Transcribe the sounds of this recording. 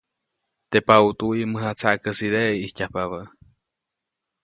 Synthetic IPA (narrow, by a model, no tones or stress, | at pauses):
t̪epaut̪uiməɦat͡saʔkəsid̪eʔihcʲahpaβəʔ